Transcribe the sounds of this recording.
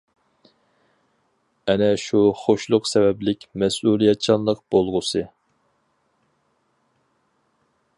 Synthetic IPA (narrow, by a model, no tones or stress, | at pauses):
ɛnɛʃuχoʃlˠʊqsɛvɛblɪkʲmɛsulˠijɛt̪̚t͡ʃʰɑnlˠəqb̥olˠʁʊsɨ